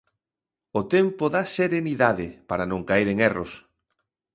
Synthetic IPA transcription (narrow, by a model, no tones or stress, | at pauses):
ʊt̪ɛmpʊðaseɾeniðaðɪpaɾanõŋkaeɾeŋɛro̰s